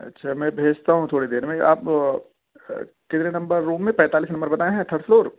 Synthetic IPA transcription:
ɐ̰tːʃʰamɛ̃bʱeːd͡ʒt̪aɦũt̪ʰoːɽed̪eːɾmẽʔa̰ːp | kɪt̪ɾenɐ̃mbəɾːuːmːẽpɛ̃ːt̪aːliːs̬nɐ̃mbəɾbɐt̪aːẽɦɛ̃t̪ʰɐʈsloːɾ

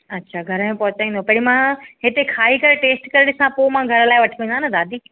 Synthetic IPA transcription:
ɐtːɕʰaːɡʱɐɾmẽpɐɦʊt͡ɕaĩn̆d̪opɐɽ̃imãɦɪt̪ekʰaːikɐɾʈeːsʈkɐɾɪɽɪsãpoːmãɡʱɐɾlaːɪʋɐʈʰiʋẽnd̪aːnɐd̪aːd̪ʱi

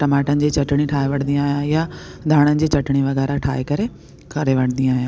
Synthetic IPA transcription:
ʈɐmaːʈənɪ̆d͡ʑiːt͡ɕɐʈɪɽ̃iʈʰaːeʋɐɽ̤̃nd̪ijãaːɦijãjad̪ʱaːɽ̃ənɪ̆d͡ʑiːt͡ɕɐʈɪɽ̃iʋɐɣɛːɾaʈʰaːekɐɾe | kʰɐɾeʋɐɽ̤̃nd̪ijãaːɦijãː

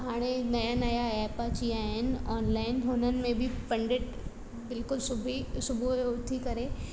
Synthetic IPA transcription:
ɦaːɽ̃enɐjanɐjaɛːpat͡ʃiaːɦɪnɔːnlaːɪnɦoːnən̆mẽbʱipɐ̃ɳɖeʈ | bɪlkʊlsʊbʱisʊbʱueʊt̪ʰikɐɾẽː

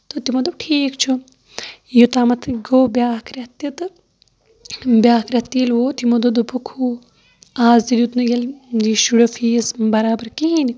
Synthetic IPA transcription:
t̪ot̪imɐd̪ɐbʈʰiːkt͡ʃʰu | jut̪aːmɐt̪ʰɡoːbjaːkʰɾʲɐt̪it̪ɨ | bʲaːkʰɾɐt̪ːiːlʋoːt̪imɐd̪od̪opʰukʰuː | aːzd̪ilut̪nɨjɐld͡ʒiʃuɽɐfʰiːsbɐɾaːbɐɾkiini

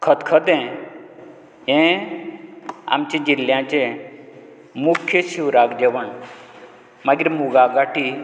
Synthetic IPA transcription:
kʰət̪kʰəd̪ɛ̃ | ɦẽ | a̰mt͡ɕĩd͡ʑiljãt͡ɕẽ | mukʰjəɕiwɾaɡd͡ʑeʋəɳ | maɡiɾmuɡaɡaʈi

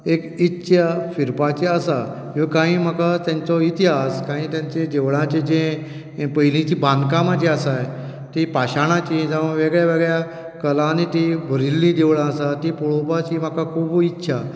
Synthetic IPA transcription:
ekitːɕʰafiɾpat͡ɕeəsa | jokãɦĩːm̤akat̪jant͡sɔit̪iɦaskãɦĩːt̪jãɲt͡ɕẽd͡ʑ̪eʋɭãt͡ɕẽd͡ʑẽ | pəjlĩt͡ɕibʱãnd̪kãmad͡ʑeasaj | t̪ipaɕaɽ̃ãt͡ɕĩd͡zaʋəʋeɡɭjaʋeɡɭja | kəlãnit̪ibʱəɾilːĩd̪eʋɭãəsat̪ipuɭopat͡ɕim̤akakʰuːbuitːɕʰa

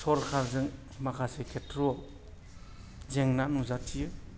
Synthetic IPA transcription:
sɔɾkʰaɾzɯŋ | makʰasekʰetʰɾɔ | zeŋnanuzak̚tʰijɯ

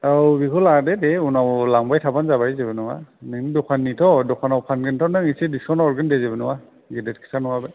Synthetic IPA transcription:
awɡikʰuladɛdɛunawlaŋbajtʰabanzabaɹizɛbɛnɔwa̰nɛnidɔkʰanːitʰɔdɔkʰanawpʰanɡɛntʰɔnaŋisidisɔnɔɹɡandɛzɛbɛnɔwa | ɡɛdɛtkʰi̥sanɔwabɛ

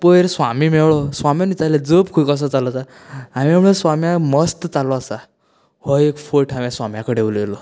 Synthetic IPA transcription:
pəjɾsʋamimewɭɔsʋamjanit͡saled͡zəpkʰukəs̬ɔt͡salɔt͡sa | amiamɭesʋamjãməst̪t͡salɔasa | hɔekfoʈʰamjaswamjakəɽewljelɔ

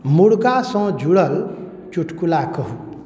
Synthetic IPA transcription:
muɽkasʌ̃d͡ʒʱuɽəl | t͡ʃuʈʰkulakɔɦu

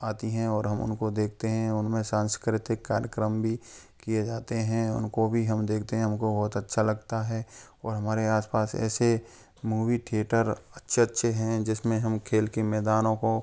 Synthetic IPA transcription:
aːt̪iɦɛ̃ɔːɾɦɐmʊ̰nkod̪eːk̚ʰt̪eɦɛ̃ʊnmẽsãːnskɾɪt̪ɪkːaːɾjəkɾəmbʱi | kijed͡ʒaːt̪eɦɛ̃ʊ̰nkobʱiɦɐmd̪eːk̚ʰt̪eɦɛ̃ɦʊmkobɔːt̪ɐtːʃʰalɐɡt̪aɦɛːɔːɾɦɐmaːɾeaːspaːsɛ̰ːse | muːʋiʈʰeːʈəɾɐtːʃʰeɐtːʃʰeɦɛ̃d͡ʒɪsmẽɦɐmkʰeːlkemɛːd̪aːnõko

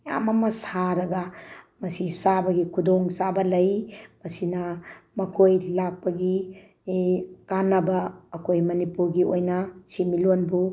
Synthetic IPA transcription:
ja̰mɐmɐsaɾɐɡɐ | mɐsisabɐɡikʰudoŋsabɐlɐjmɐsinɐmɐkʰojlak̚pɐɡi | kanɐbɐːkojmɐnipuɾɡiojnɐsimilonbu

